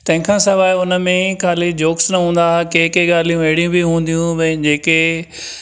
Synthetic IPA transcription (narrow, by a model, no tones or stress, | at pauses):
t̪ɐ̃ɦɪ̃kʰãːsɐʋaːʊnə̆mẽkʰaːlid͡ʑoːksnɐɦũːnd̪akeːkeɠaːl̤ijũeɦɽijũbiɦũːn̆d̪ijũbɐ̃ɪ̃d͡ʑeːke